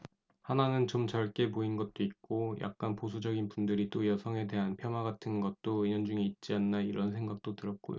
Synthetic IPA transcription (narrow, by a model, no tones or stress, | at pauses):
hananɯnt͡ɕomt͡ɕʌɭk͈e̞poinɡʌt̚t͈oit̚k͈ojʔa̰k̚k͈anposʰud͡ʑʌɡinpundɯɾit͈ojʌsʰʌŋɦe̞de̞ɦanpʰjʌnwaɡatʰɯnɡʌt̚t͈oiɲʌnd͡ʑuŋe̞it̚t͡ɕ͈ianːaiɾʌnsʰe̞ŋɡak̚t͈otɯɾʌk̚k͈o̰jo̰